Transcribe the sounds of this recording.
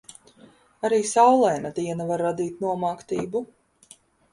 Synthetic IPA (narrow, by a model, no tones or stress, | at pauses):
aɾiːsawlˠɛjnad̪iɛnavaɾːad̪iːt̪nuɔmaːkt̪iːbu